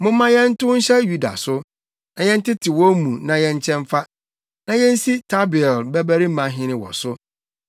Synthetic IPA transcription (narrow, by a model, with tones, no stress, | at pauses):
mʊ̃˦mːã˦jɛ̃˦n̩˦tʊ̃˦n̩˦ɕɛ˦ju˦da̰˨sʊ˦ | nã˨jɛ̃˦n̩˦tɪ˦tʰɪ˨wɔ˦mũ˨nã˨jɛ̃˦ɲ˦t͡ɕʰɛ̃˦ɱfa˦ | nã˨jɛ̃˦n̩˦si˦tʰa˦bɪ˨ɛ˨lbɛ˦bæ˦ɾi˦mã˨ɦɪ̃˦nɪ̃˨wɔ̰˨sʊ˦